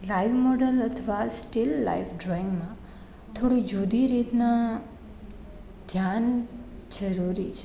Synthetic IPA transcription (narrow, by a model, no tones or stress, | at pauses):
lajʋmɔɖələt̪ʰəʋasʈilːa̰ifɖɾɔɪŋɡmã | t̪ʰoɽid͡ʒud̪iɾit̪na | d̪ʱjand͡ʒəɾuɾit͡ʃʰe